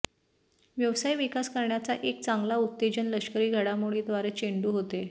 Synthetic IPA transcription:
ʋjəʋsajʋikaskəɾɳjat͡saʔek̚t͡saŋɡlauk̚t̪ed͡ʑənləɕkəɾiːɡʱaɽamuɭiːd̪ʋaɾət͡ɕeɳɖuːɦot̪e

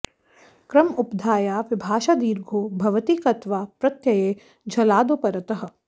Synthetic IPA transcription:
kɾɐmʊpd̪ʱaːjaːʋɪbʱaːʃad̪iːɾɡʱoːbʱɐʋət̪iːkɐt̪ʋaːpɾɐt̪jɐjeː | d͡ʒʱɐlaːd̪opɐɾɐt̪əɦɐ̆

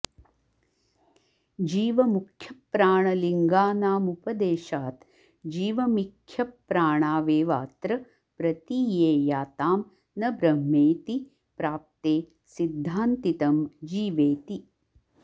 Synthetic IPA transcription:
d͡ʒiːʋɐmukʰjɐpːɾaːɳɐliŋɡaːnaːmupɐd̪eːʃaːt̪ | d͡ʒiːʋɐmikʰjɐpɾaːɳaːʋeːʋaːt̪ɾɐ | pɾɐt̪ijeːjaːt̪aːm | nɐbɾɐɦmeːt̪i | pɾaːp̚t̪eː | sid̪ʱːaːnt̪it̪ɐmd͡ʒiːʋeːt̪i

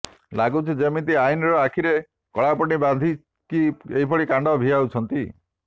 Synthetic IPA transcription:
laɡut͡ʃʰid͡ʒemit̪iainɔɾɔakʰiɾe | kɔɭapɔɽiband̪ʱi | kieɦipʰɔɭikãɳɖɔbʱiɦawt͡ʃʰɔnt̪i

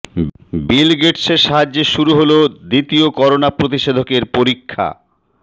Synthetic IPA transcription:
bilɡeʈseɾʃaɦad͡ʑːeʃuɾuɦolod̪it̪iokɔɾonapɾot̪iʃed̪ʱokeɾpoɾikʰːa̰

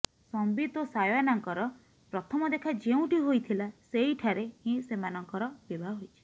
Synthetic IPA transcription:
sɔmbit̪ɔsajanaŋkɔɾɔ | pɾɔt̪ʰɔmɔd̪ekʰad͡ʒeũʈiɦojt̪ʰilaseɦiʈʰaɾehĩsemanɔŋkɔɾɔb̥ebʱaɦojt͡ʃʰi̥

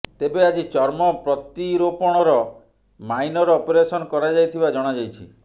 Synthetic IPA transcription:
t̪ebead͡ʒit͡ʃɔɾmɔpɾɔt̪iɾopɔɽ̃ɔɾɔ | majnɔɾɔːpeɾesɔnɔkɔɾad͡ʒajt̪ʰibad͡ʒɔɽ̃ad͡ʒajt͡ʃʰḭ

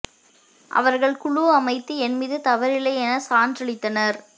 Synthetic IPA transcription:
ʔɐ̰ʋɐɾɣɐɭkʊɻʊɐmɐɪt̪ːɯɛnmɪðɯt̪ɐʋɐɾɪlɐɪɛnɐsaːndrɪɭɪt̪ːɐnɐɾ

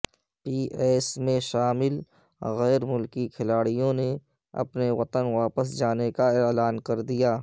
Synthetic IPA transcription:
piːʔɛːsmẽʃaːmɪl | ɣɛːɾmʊlkikʰɪlaːɽijõne | ɐ̰pneʋɐt̪ənʋaːpəsd͡ʒaːnekaelaːnkɐɾd̪ijaː

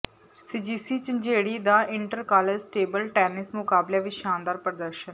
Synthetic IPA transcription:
siːd͡ʒiːsiːt͡ʃd͡ʒeːɽiːd̪aːʔɪɳʈəɾkaːled͡ʒsʈeːbəlʈɛːnɪsmʊkaːbleːʋɪʃaːnd̪aːɾpɾəd̪əɾʃən

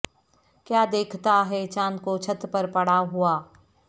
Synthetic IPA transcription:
kjaːd̪eːkʰt̪aɦɛt͡ʃaːnkot͡ʃʰɐt̪pɐɾpɐɽaɦuaː

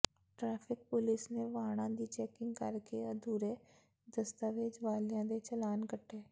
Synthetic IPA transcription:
ʈɾaːpʰɪk̚pʊlɪsneːʋaːɽ̃ãːd̪iːt͡ʃɛːkɪ̃ŋɡkəɾkeəd̪uːɾeː | d̪əst̪aːʋed͡ʒʋaːlɪjãːd̪eːt͡ʃəlaːnkəʈʰːeː

